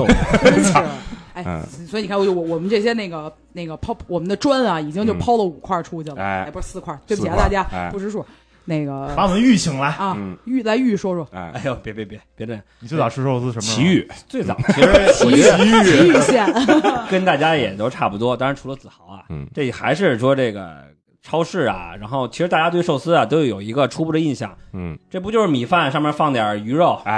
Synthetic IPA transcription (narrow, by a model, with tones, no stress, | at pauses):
a˥˩ɪ˧˩swi˨˩˧a˥˧˥jo˥˩wɔ˧˩wɔ˨˩mə˦nʈ͡ʂɤ˥˩ɕ̬jɛ˥ne˥˩ɪɡə˩ | ne˥˩ɡə˩pʰɑ˥ʊwɔ˨˩mə˦nd̪ə˧ʈ͡ʂwa˥nɐ˨i˨˩t͡ɕi˥ŋt͡ɕjo˥˧ʊpʰɑ˥ʊlə˨u˨˩kʰwa˥˩ʈ͡ʂʰu˥t͡ɕʰi˥˩lə˩˧˥pu˧˥ʂ̩˥sɹ̩˥˧kʰwa˥˩t̪we˥˩pt̪a˥˧˩t͡ɕja˥pu˧˥ʂɻ̩˥˧ʂwɔ˥ | ne˥˩ɡə˩pa˧˥wɔ˨˩mə˦ny˥˩ɕʰi˧˥ŋla˧˥ɪɐ˥˧˩y˥˩la˧˥ɪy˥˩ʂwɔ˥ʂwɔ˥˧˩a˥˩ɪjo˧˩pɛ˧˩pe˥˩pɛ˥˩pjɛ˧˥də˧˩˨i˨t͡ɕo˥˧˩t͡sɑ˨˩u˥ʂo˥˧ʊt͡sɹ̩˥˧˩ʂə˧mt͡ɕʰi˧˥y˥˩t͡swe˥˩ɪt͡sɑ̰˨˩˦i˧˥ʂɻ̩˧˥t͡ɕʰi˧˥˧i˧˥y˥˩˥ɕjɛ˥˩kə˥nt̪a˥˩t͡ɕja˥jɛ˨˩t̪o˥ʊʈ͡ʂʰa˥˩pu˧˥t̪wɔ˥t̪ɑ˥ŋɻʈ͡ʂʰu˧˥lə˧t͡sɹ̩˨˩xɑ˧˥ʊɐ̰˧ʈ͡ʂɤ˥˩˨xa˧˥ɪʂɻ̩˥˩ʂwɔ˥ʈ͡ʂɤ˥˩ɡə̰˩ | ʈ͡ʂʰɑ˥ʊʂɻ̩˥˩ɐ̰˨˩ɻa˧˥nxo˥˩ʊt͡ɕʰi˧˥ʂɻt̪a˥˧˩ja˥t̪we˥˧ɪʂo˥˩ʊsɹ̩˥ɐ˨˩t̪o˥ʊjo˧˩jo˨˩ʊi˧˥ɡə˧ʈ͡ʂʰu˥pu˥˩d̪ə˩i˥˧nɕjɑ̰˥˩ŋʈ͡ʂɤ˥˩p̬u˥t͡ɕjo˥˧ʊʂɻ̩˥˧mi˨˩fa˥˧nʂɑ˥˧ŋmjɛ˧˥fɑ˥˩ŋt̪jə˨˩y˧˥ɻo˥˩ʊ